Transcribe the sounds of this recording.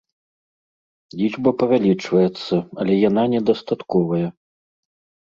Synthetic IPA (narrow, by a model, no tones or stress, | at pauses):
lʲit͡ʂbɐpɐvʲalʲit͡ʂvɐjɛt̪sːɐɐlʲɛjananʲɛd̪ɐst̪at̪kɔvɐjɐ